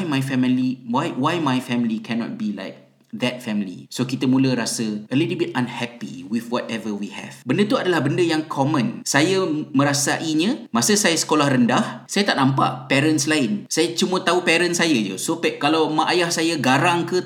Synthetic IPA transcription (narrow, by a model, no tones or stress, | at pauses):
jmajfɛmliwajwajmajfɛmlikʰɛnɔ̰t̚bila̰jk̚ | d̪ɛt̚fɛmlḭsokit̪əmũləɾasəʔəlitl̩bit̚ãnhɛpḭwiθwɔtɛvəwihɛ̰vbəndət̪uadalahbəndəjaŋkʰɔmə̃nsajamə̃ɾasaʔiɲə̃masəsajasə̥kolahrəndahsajat̪aʔ̚nãmpa̰ʔpɛɾənslaɪnsajat͡ʃumə̃t̪aupɛɾənsajad͡ʒṵsopɛkalawmãʔajahsajaɡaɾaŋkə